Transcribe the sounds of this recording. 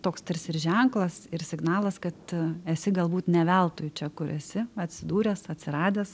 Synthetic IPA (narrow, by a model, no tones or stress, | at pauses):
t̪oːkst̪ʲɐrsɪɾʒʲɛŋklˠɐsɪɾsʲɪɡnɑːlˠɐskɐt̪ɛsʲɪɡɐlˠbuːt̪nʲɛʋʲælˠt̪oːjʊt͡ʃʲɛkʊɾɛsʲɪɐt̪ʲsʲɪd̪uːɾʲɛːsɐt̪ʲsʲɪɾɑːd̪ʲeːs